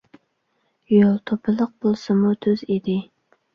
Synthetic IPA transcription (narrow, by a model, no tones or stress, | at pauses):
jolˠt̪ʰopʰɨlˠəq̚b̥olˠsɨmut̪ʰøzid̪ɪ